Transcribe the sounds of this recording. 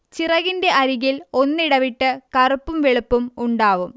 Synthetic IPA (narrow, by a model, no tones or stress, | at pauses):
t͡ɕirɐɣinde̞ʔɐɾiɣilo̞nːiɽɐʋiʈːɨkɐrupːumʋeɭupːumuɳɖaːʋum